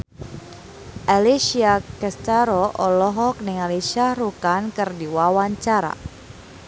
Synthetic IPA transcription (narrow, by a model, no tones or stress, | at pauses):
ʔalisiakɛst̪aɾɔʔɔlɔɦɔk̚nɛŋalisaɾukankɨrdiwawaɲt͡ʃaɾa̰